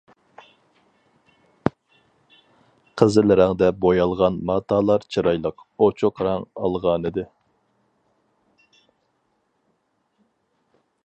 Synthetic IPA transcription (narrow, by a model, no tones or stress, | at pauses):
qʰəzɪlɪɾæŋd̪ɛbojɑlˠʁɑnmɑːt̪ʰɑːlˠɑɾt͡ʃʰiɾɑjlˠəqot͡ʃʰuqʰɾɑŋɑlˠʁɑnɨd̪ɨ